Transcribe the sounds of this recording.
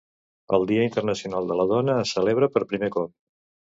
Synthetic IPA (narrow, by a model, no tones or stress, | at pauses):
ə̰lˠd̪iəint̪ərnəsiunalˠd̪ələð̞ɔnəːsːəleβɾəpəɾpɾimekɔp̚